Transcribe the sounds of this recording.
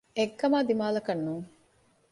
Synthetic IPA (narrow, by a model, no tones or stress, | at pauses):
eɡːɐmaːd̪imaːlɐkɐnːuːŋ